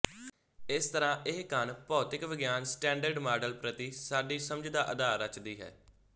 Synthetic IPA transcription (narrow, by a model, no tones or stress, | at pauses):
ɪst̪əɾãːʔɪɦkənpɔːt̪ɪkʋɪɡjaːnsʈɛ̃ːɳɖəɾɖmaːɖəlpɾət̪iːsaːɖiːsəmd͡ʒd̪aːʔəd̪aːɾət͡ʃd̪iːɦɛ̰ː